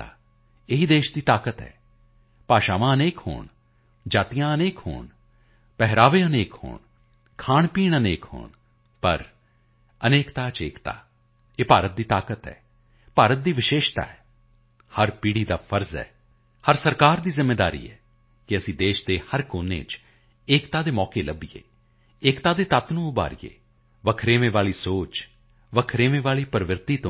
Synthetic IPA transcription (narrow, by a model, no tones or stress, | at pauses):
a̰ː | eɦid̪eːʃd̪iːt̪aːkət̪ɦɛ̰ː | paːʃaːʋãːəneːkho̰ːɳ | d͡ʒaːt̪ijãːəneːkho̰ːɳ | pɛɦɾaːʋeːəneːkho̰ːn | kʰaːɳpiːɳəneːkho̰ːɳ | pə̰ɾ | əneːkt̪aːt͡ʃḛːkt̪a̰ː | eːpaːɾət̪̚d̪iːt̪aːkət̪ɦɛ̰ː | paːɾət̪̚d̪iːʋɪʃeːʃt̪a̰ːɛː | həɾpiːɽiːd̪aːfʰəɾzɛ̰ː | həɾsəɾkaːɾd̪iːzɪmːeːd̪a̰ːɾḭːɛː | kɪəsĩːd̪eːʃd̪eːhəɾkoːnḛːt͡ʃ | eːkt̪aːd̪eːmɔːkeːləbijḛː | ɪːkt̪aːd̪eːt̪at̪nũːʊba̰ːɾḭjḛː | ʋəkʰɾeːʋẽːʋaːliːsoːt͡ʃ | ʋəkʰɾeːʋẽːʋaːliːpəɾʋɪɾt̪iːt̪õ